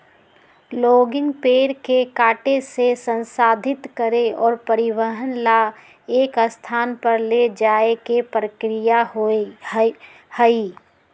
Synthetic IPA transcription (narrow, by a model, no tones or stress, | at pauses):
loːɡɪ̃ŋɡpeːɾkekaːʈesesə̃nsaːd̪ʱɪt̪kəɾeɔːɾpəɾɪʋəɦənla | eːkəst̪ʰaːnpəɾled͡ʒaːekepɾəkɾɪjaɦ | həi